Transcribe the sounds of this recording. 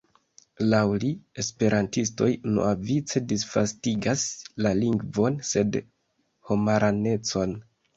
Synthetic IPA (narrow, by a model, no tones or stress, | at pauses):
lawlie̞spe̞ɾʔantis̬to̞̰jno̰avit͡se̞disfastiɡaslaliŋɡvo̞nse̞d | ho̞maɾʔane̞t͡so̞n